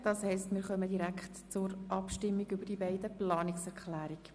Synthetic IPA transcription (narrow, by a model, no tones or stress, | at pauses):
d̥ɑːshɛɪstmɪːɾχœmədiɾækχtt͡sʊɾʔɑpʃtɪmːiɡʏbəɾd̥ibɛɪdəplɑːnɪksɛɾkχlæːɾiɡ